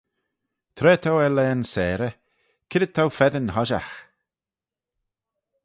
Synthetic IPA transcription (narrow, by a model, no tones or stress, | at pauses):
t̪ʰɾɛːt̪ʰawɛlɛːnsɛːɾə | kʰɪdəd̚t̪ʰawfɛðənhɔʒa̰x